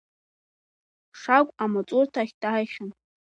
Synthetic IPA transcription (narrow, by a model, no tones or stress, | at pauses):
ʂakʷʼamat͡sʼʊrtʰaχʲtʼaaχʲʊn